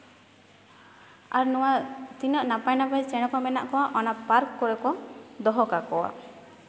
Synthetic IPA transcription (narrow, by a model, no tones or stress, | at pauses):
a̰ɾnɔwat̪inɔʔnapajnapajt͡ʃɛɽ̃ɔpamɛna̰ʔkɔwaʔɔnapaɾkːɔɽɛkɔd̪ɔɦɔkakɔwa̰